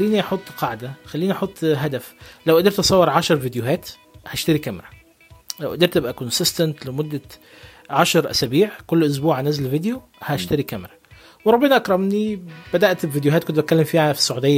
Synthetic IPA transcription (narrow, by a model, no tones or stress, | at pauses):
ælːiːniʔɑħot̪ˤːqɑʕd̪æxælːiːniʔɑħot̪ˤːɦæd̪æflæwʔæd̪eɾt̪ʔɑsˤɑwːeɾˤʕɑʃɑɾˤvid̪joɦæːt̪ | hæʃt̪æɾikæmɾɑ | læwʔæd̪iɾt̪ːebʔækonsɪst̪ænt̪lemod̪ːæ | ʕɑʃɑɾˤʔæ̰sæbiːʕkolːʔʊs̬buːʕænæzlved̪jo | hæeʃt̪æɾikæmɾˤɑ | weɾˤɑbːenɑʔækɾˤɑmnib̥æd̪æʔt̪bvid̪joɦæːt̪kont̪bæt̪̚kælːemfiːʕæfi̥sˤːɑʕuːd̪ejːæ